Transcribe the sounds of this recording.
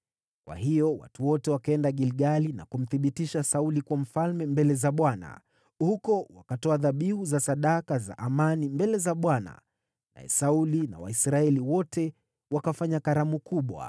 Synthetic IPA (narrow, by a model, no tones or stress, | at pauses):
kwa̰hijɔwa̰tuwɔtɛwakaɛndaɠilɠalina̰kum̩θiɓitiʃasaulikuwam̩falmɛmbɛlɛzaɓwana̰ | hukɔwakatɔaðaɓihuzasaɗakaza̰ʔamanimbɛlɛzaɓwana̰ | na̰ɛ̰saulina̰wa̰isɾaɛliwɔtʰɛ | wakafaɲakaɾamukuɓwa̰